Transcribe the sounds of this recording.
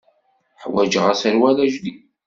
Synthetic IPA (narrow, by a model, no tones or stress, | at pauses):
ħwæd͡ʒəʁæsəɾwælæʒd̪i